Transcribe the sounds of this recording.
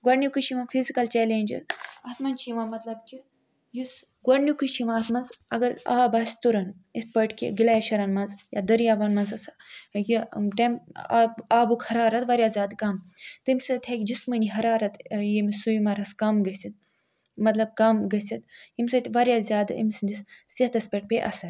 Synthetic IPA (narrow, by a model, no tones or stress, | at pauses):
ɡwɐɽnʲjukuʃiʋafʰizikɐlt͡ʃɛːleːnʲd͡ʒɐ̰ɾɐt̪mɐnt͡ʃʰiʋãmɐt̪lɐb̚kʲi | jus | ɡɐɽnʲjukuʃiʋaːt̪mɐnzɐɡɐɾa̰ːbaːsʲt̪uɾɐn | ispəʈkʲḭɡilajʃɐɾanmɐnzja̰d̪ɐɾijaːbaːnmɐnzɐsa | jiʈempaaːbukhɐɾaːɾɐt̪ʋaɾʲjaːzʲjaːd̪kamt̪ɨmʲsɐt̪ʲʰakʲd͡ʒismənʲiɦɐɾaːɾɐt̪jimsujimɐɾɐskamɡɐsʲit̪̚ | mɐt̪lɐb̚kamɡɐsʲɐt̪jimʲsɐt̪ʲʋaɾʲjazʲjaːd̪ḭmʲsɨnd̪ʲissɐt̪ɐspʲɐʈ̚pʲeʔɐ̰sɐɾ